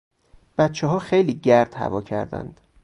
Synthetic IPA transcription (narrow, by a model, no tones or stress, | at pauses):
b̥æt̪t͡ʃʰɛɦɒːxejliːɟæɾd̪̥hæ̰vɒːcʰæ̰ɾd̪æ̰nd̪̥